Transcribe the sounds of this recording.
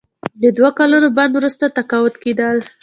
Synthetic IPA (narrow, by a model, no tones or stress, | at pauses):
d̪əd̪wakalunoband̪wɾust̪at̪akawʊd̪ked̪əl